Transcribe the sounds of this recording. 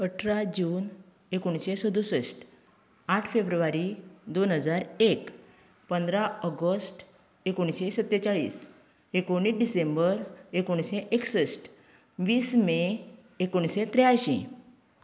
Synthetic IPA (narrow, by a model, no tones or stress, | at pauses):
əʈʰɾad͡ʑuːn | ekoɽ̃ɕesəd̪usəsʈ | aʈʰfebɾuʋaɾid̪onɦəd͡zaɾek | pənd̪ɾaəɡəsʈ | ekoɳ̃ɕesət̪ːet͡saɭḭːs | ekoɽ̃iːsɖisembəɾekoɽ̃ɕeʔeksəsʈ | ʋiːsmeː | koɳ̃ɕet̪ɾejaɕḭ̃